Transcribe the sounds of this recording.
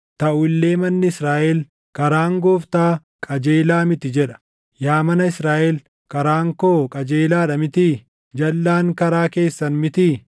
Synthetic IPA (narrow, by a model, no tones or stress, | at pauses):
t̪ɐʔʊɪlːe̞ːmɐnːɪɪsɾaːʔɛl | kɐɾaːŋɡoːft̪aː | kʼɐd͡ʒe̞ːlaːmɪt̪ɪd͡ʒɛᶑɐ̥ | jaːmɐnɐɪsɾaːʔɛl | kɐɾaːŋkoːkʼɐd͡ʒeːlaːᶑɐmɪt̪i | d͡ʒɐlːaːŋkɐɾaːke̞ːsːɐnmɪt̪i